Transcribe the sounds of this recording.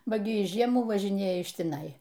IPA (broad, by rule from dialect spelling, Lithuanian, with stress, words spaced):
ˈbɐ ˈɡʲɪ ˈjɪs ˈʒʲiɛmuː ʋɐʒʲɪˈnʲeːjɛ ɪʃ tʲɪˈnɐɪ